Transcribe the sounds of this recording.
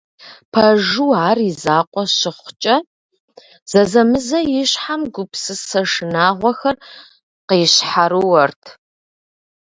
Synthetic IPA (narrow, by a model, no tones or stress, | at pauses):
pʰɐʒuaːrizaːqʷʼɔɕɪχʷt͡ʃʼɐ | z̥ɐzɐmɨzɐjɪɕħamɡʷʊpsɨsɐʂɨnaːʁʷɔxɐr | qejɕħaɾɨwɐrtʰ